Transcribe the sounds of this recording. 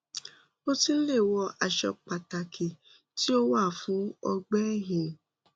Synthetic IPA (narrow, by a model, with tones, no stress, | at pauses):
o˦tĩ˦le˦˨wɔ˧a˨ʃɛ˧k͡pa˨ta˨ki˨ | ti˦o˦wa˦˨fũ˨˦ɔ˧ɡ͡bɛ˦ɦĩ˨